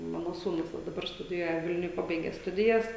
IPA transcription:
ˈmɑːnoː suːˈnʊs ʋɐ dɐˈbɐr stʊdʲɪˈjuɔjɛ ˈʋʲɪlʲnʲʊj ˈpɑːbɐɪɡʲɛ ˈstʊdʲɪjɛs

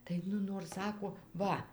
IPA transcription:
tɐɪ ˈnʊ noːr ˈsɑːkoː ˈʋɐ

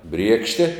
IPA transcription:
ˈbʲrʲiɛkʃʲtʲɛ

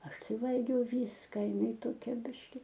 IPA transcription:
ˈɐʃ ˈtɐɪ ˈʋɐlʲɡʲɛʊ ˈʋʲiːskɐ ɪˈnɐɪ toːˈkʲɛ ˈbʲɪʃʲkʲɪ

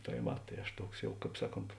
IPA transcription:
tɐɪ ˈʋɐ ˈtɐɪ ɐʃ ˈtuɔks ˈjɛʊ ˈkɑːp ˈsɑːˌkoːnt

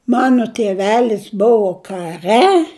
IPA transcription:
ˈmɑːnoː tʲiɛˈʋʲæːlʲɪs ˈbʊʋoː kɐˈrʲɛ

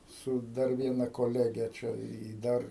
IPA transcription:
ˈsʊ ˈdɐr ˈʋʲiɛnɐ koːˈlʲæːɡʲɛ ˈt͡ʃʲɛ ɪ ˈdɐr

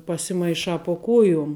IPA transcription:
pɐsʲɪmɐɪˈʃɑː poː ˈkuɔjʊm

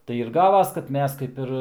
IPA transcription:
tɐɪ ɪr ˈɡɑːʋɐs kɐt ˈmʲɛs kɐɪp ˈɪr

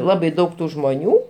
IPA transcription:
ˈlˠɑːbɐɪ ˈdɐʊk ˈtuː ʒmoːˈnʲuː

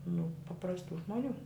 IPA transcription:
nʊ pɐprɐsˈtuː ʒmoːˈnʲuː

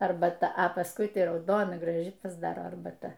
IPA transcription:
ɐrbɐˈtɐ ɐ pɐsˈkʊɪ ˈtɐɪ rɐʊˈdoːnɐ ɡrɐˈʒʲɪ pɐzˈdɑːroː ɐrbɐˈtɐ

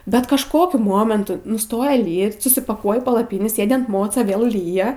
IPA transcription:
bʲɛt kɐʃˈkoːkʲʊ ˈmoːmʲɛntʊ nʊˈstoːjɛ ˈlʲiːt sʊsʲɪpɐˈkuɔjɪ pɐlˠɐˈpʲiːnʲiː ˈsʲeːdʲɪ ɐn ˈmoːt͡sɐ ˈʋʲeːlˠ ˈlʲiːjɛ

